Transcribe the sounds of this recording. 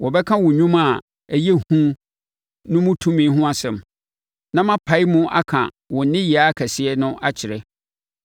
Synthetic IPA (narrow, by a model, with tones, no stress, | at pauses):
wɔ˨bɛ˦kʰã˦wʊ̃˨ɲᶣũ˦ma˨ | æ˨jɛ˦hũ˦ | nʊ̃˦mʊ̃˦tʰũ˦mĩ˨˦ɦʊ̃˦a˨sɛ̃˨m | nã˦mã˦pʰa˨˦i˦mʊ̃˦ʔa̰˦kʰã̰˨ | wɔ̃˨n˦nɪ̃˦jɪ˨a˦kʰæ˨sɪ˦ɛ˦nʊ̃˦ʔa˦t͡ɕʰɪ˨ɾɛ˦